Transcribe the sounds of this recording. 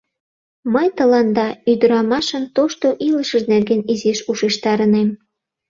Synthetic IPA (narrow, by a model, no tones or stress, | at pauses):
məjt̪əlɑnd̪ɑyd̪əɾɑmɑʃənt̪oʃt̪oʔiləʃəʒnerɡeniziʃuʃeʃt̪ɑɾənem